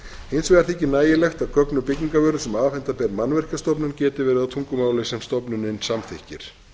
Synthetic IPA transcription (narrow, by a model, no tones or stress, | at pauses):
ejnsvɛɣaɾ̥θecːɪnaːjɪlɛxt̪aðkʰœknʏpɪcɲiŋkavœːɾʏsɛmaːfɛn̥t̪apɛːɾmanvɛr̥cast̪ɔpnʏncɛːt̪ɪvɛːɾɪðat̪ʰuŋkʏmaːwlɪsɛmst̪ɔpnʏnɪnsamθɪhcɪɾ̥